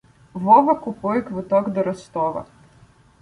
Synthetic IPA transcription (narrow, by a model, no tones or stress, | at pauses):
ʋɔʋɐkʊpʊjɛkʋʊt̪ɔɡd̪ɔɾɔst̪ɔʋɐ̰